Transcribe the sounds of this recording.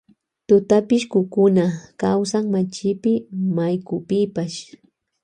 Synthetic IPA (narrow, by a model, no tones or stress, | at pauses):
t̪ʊt̪apɪʃkʊkʊnakawsaŋmat͡ʃɪpɪmajkʊpɪpaʃ